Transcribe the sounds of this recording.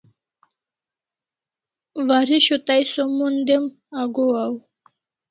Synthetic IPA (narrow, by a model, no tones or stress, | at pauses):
ʋaɾiʃot̪ajsomːund̪em | aɡoaw